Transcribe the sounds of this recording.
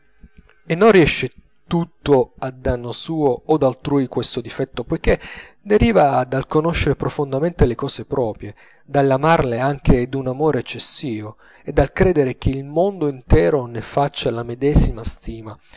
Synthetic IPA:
enːonriɛʃːe | t̪ut̪ːoad̪ːanːosuːoːd̪alt̪ɾuːjkwest̪od̪ifɛt̪ːopojk̟e | d̪eɾiːvad̪alkonoʃːeɾepɾofond̪ament̪elekɔːsepɾɔːpɾje | d̪alːamarleaŋk̟ed̪unamoːɾeːt͡ʃːesːiːvo | ed̪ːalkɾɛːd̪eɾek̟eilmond̪oint̪ɛːɾonefat͡ʃːalamed̪ɛzimast̪iːma

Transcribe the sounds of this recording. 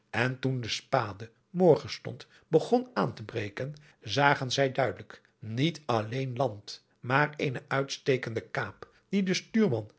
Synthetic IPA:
ʔɛntundəspaːdə | mɔɹχənstɔ̰nt | bəχɔnaːntəbrejkən | zaːχənzɛjdœɥdələk | nitɑlejnlɑnt | maːɹejnəʔœɥtstejkəndəkaːp | d̥idəstyːɹmɑn

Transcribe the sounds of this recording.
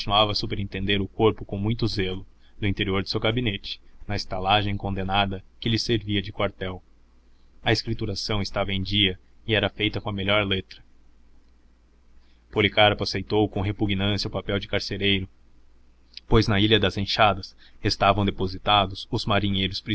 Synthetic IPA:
õt͡ʃinuavɐːsupeɾẽnt̪ẽnd̪eɾʊkoɾpʊkõw̃mũj̃t̪ʊzelʊ | d̪ʊĩnt̪eɾioɾd̪ʊ̥sewɡabinet͡ʃɪ̥nɐɪst̪alaʒẽj̃kõnd̪enad̪ɐkɪʎɪseɾviɐd͡ʒɪkwaɾt̪ɛw | ɐeskɾit̪uɾasɐ̃w̃ɪst̪avɐẽj̃d͡ʒiɐ | ɪɛɾɐfejt̪ɐkõɐmeʎɔɾlet̪ɾɐ | polikaɾpʊasejt̪owkõɦepuɡnɐ̃sjɐʊpapɛwd͡ʒɪkaɾseɾejɾʊ | pojznɐiʎɐd̪ɐzẽʃad̪ɐs | est̪avɐ̃w̃d̪epozit̪ad̪ʊsʊzmaɾĩɲejɾʊspɾi

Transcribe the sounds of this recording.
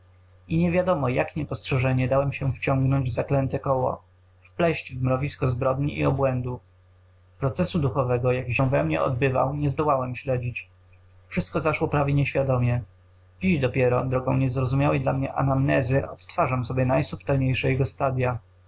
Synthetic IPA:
iɲɛvʲjad̪ɔmɔjakɲɛpɔstʂɛʐɛɲɛd̪awɛmɕɛft͡ɕɔŋɡnɔɲd͡ʑvzaklɛnt̪ɛkɔwɔ̰ | fplɛɕt͡ɕvmɾɔvʲiskɔzbɾɔd̪ɲiʔḭɔbwɛnd̪u | pɾɔt̪sɛsud̪uxɔvɛɡɔjakɕɛw̃vɛmɲɛ̰ʔɔ̰d̪̚bɘva̰wɲɛzd̪ɔwawɛmɕlɛd͡ʑit͡ɕ | fʂɘst̪̚kɔzaʂwɔpɾavʲjeɲɛɕfʲjad̪ɔmʲjɛ | d͡ʑiʑd̪ɔpʲjɛɾɔd̪ɾɔɡɔ̃w̃ɲɛzɾɔzumʲjawɛjd̪lamɲɛʔa̰namnɛzɘʔɔ̰t̪t̪faʐamsɔbʲjɛnajsupt̪ɛlɲejʂɛjɛɡɔst̪ad̪ʲja

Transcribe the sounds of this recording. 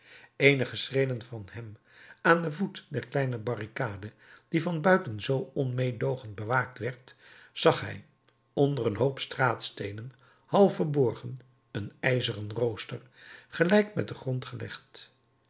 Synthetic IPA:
ejnəχəsrejdənvɑnhɛm | aːndəvutdɛɹklɛjnəbɑrikaːdə | d̥ivɑnbœɥtənzowɔnmejdowχənt̚bəʋaːk̚tʋɛɹtz̥ɑχɦɛ̰j | ɔndərənɦowpstraːtstejnən | hɑlˠfəɹbɔɹχən | ənɛjzərənrowstər | χəlɛjkmɛ̰t̚dəχrɔntχəlɛ̰χt

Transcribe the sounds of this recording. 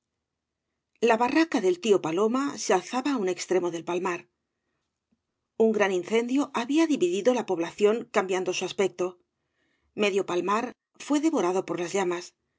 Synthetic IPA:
laβarakaðe̞lt̪io̞palo̞masealθaβaːune̞kst̪ɾe̞mo̞ðe̞lpalmaɾ | uŋɡɾaninθe̞nd̪jo̞ʔaβiaðiβiðiðolapo̞β̞laθjo̞ŋkambjand̪o̞suaspe̞k̚t̪o̞ | me̞ðjo̞palmaɾ | fwe̞ðe̞βo̞ɾaðo̞po̞ɾlazʎamas

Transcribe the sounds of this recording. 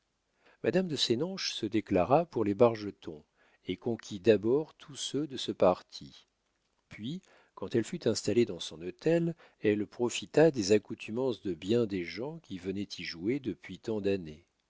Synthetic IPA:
mad̪amd̪əsenɑ̃ʃsəd̪eklaʁapuʁlebaʁʒət̪ʰɔ̃ | ekɔ̃kʲʰid̪abɔʁt̪ʰusød̪əsəpaʁt̪ʰi | pɥi | kɑ̃t̪ɛlfyt̪ɛ̃st̪aled̪ɑ̃sɔ̃not̪ɛl | ɛlpχɔfit̪ad̪ezakut̪ʰymɑ̃sd̪əbjɛ̃d̪eʒɑ̃kʲivənɛt̪ʰiʒued̪əpɥit̪ɑ̃d̪ane

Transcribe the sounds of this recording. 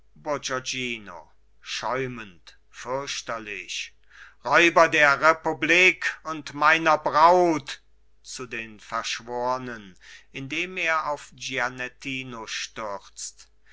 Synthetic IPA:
bod͡ʒod͡ʒiːno̰ | ʃɔʏmənt | fʏɐɕtɐlɪʃ | ʁɔʏbɐdeːɐʁepubliːkʊntmaɪnɐbʁaʊt | t͡sudeːnfɛɐʃv̥oːʁənənʔɪndeːmeːɐaʊfd͡ʒianɛtʰiːnoʃtʏt͡st

